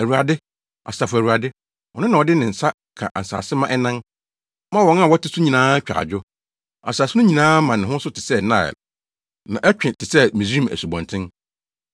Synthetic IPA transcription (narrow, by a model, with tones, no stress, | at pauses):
æ˨wu˨a˨dɪ˦ | ʔa̰˨sa˨fæ˨wu˨a˨dɪ˦ | wɔ˨nʊ̃˦nã˨ɔ˨dɪ˦nɪ̃˨n̩˨sa˦ | kʰã̰˨ʔa˨n̩˨sa̰ː˨sɪ˦mã˦ʔɛ˦nã˦n | mã˦wɔ̃˨˦na˦˨wɔ˦tʰɪ˦sʊ˦ɲĩ˨nãː˦t͡ɕᶣa̰˨d͡ʑᶣʊ˦ | a̰˨saː˨sɪ˦nʊ̃˦ɲĩ˨nãː˦mã˨n˨ɪ̃˨ɦʊ̃˦sʊ˦tʰɪ˨sɛ˦nã˦˨ɛ̰˨l | nã˨ʔɛ˦t͡ɕᶣɪ̃˨tʰɪ˨sɛ˦mĩ˨sĩ˦m˨æ̰˨su˨bɔ̃˨ntʰɪ̃˦n